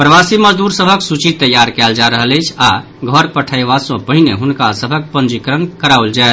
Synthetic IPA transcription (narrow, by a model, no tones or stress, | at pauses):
pɾəʋasiməd͡ʒd̪uɾsəbʱəksut͡ʃit̪ːəjːaɾkɛld͡ʒaɾəɦələjt͡ʃʰa | ɡʱəɾpəʈʰəiʋasõpəɦineɦunkasəbʱək̚pə̃nd͡ʒikɾənkəɾauld͡ʒaet̪